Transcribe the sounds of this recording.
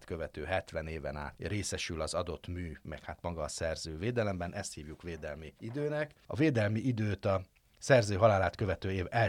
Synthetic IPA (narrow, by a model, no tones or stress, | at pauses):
t̪kø̞vɛt̪øːɦɛt̪ʋɛneːvɛna̰ːt̪reːsɛʃylɒzɒd̪o̞t̪myːmɛkhat̪mɒɡɒːsɛrzøːveːd̪ɛlɛmbɛnʔɛst̪hiːvjukʋeːd̪ɛlmiid̪øːnɛkɒ̰veːd̪ɛlmiʔid̪øːt̪ɒ | sɛrzøːɦɒlaːlaːt̪kø̞vɛt̪øːeːvɛ